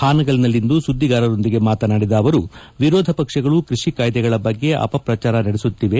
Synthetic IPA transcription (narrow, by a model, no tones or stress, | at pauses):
haːnɐɡɐlnɐlːind̪usud̪ːiɡaːɾɐɾo̞nd̪iɡe̞maːt̪ɐnaːɽid̪ɐːʋɐɾuʋiɾɔːd̪ʱɐpɐkʂɐɡɐɭukɾiʂikaːjd̪ɛɡɐɭɐbɐɡːe̞ʔɐ̰pɐpɾɐt͡ʃaːɾɐnɐɽesut̪ːiʋe̞